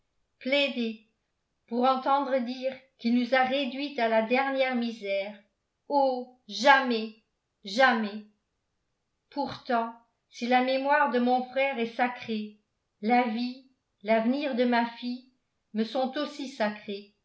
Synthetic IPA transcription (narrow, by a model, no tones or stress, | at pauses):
plɛd̪e | puʁɑ̃t̪ɑ̃d̪ʁəd̪iːʁkilnuzaʁed̪ɥit̪alad̪ɛʁnjɛʁmizɛːʁ | oʒamɛ | ʒamɛ | puʁt̪ɑ̃ | silamemwaʁd̪əmɔ̃fχɛʁɛsakχe | lavi | lavəniʁd̪əmafi | məsɔ̃t̪osisakχe